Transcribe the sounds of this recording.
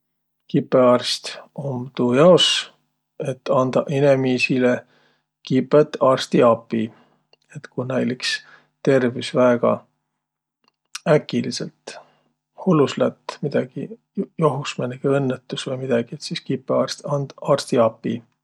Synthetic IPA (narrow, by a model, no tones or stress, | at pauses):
kipːˑeɑrst̪omt̪ujɑos | et̪ːɑnd̪̥ɑʔinemiːsile | kipːˑet̪ːɑːrst̪iɑpːi | e̞t̪kunæjliks | t̪e̞rvisvæeɡ̥ɑ̰ | ækːˑilisḛlt̪ | huluslæt̪ːmid̪̥ɑɡ̥i | joɦusmeneɡ̥eɤnːet̪ːˑusvɤjmid̪̥ɑɡ̥iet̪siskipːˑeɑːrst̪ɑnd̪̥ɑːrst̪iɑpːˑi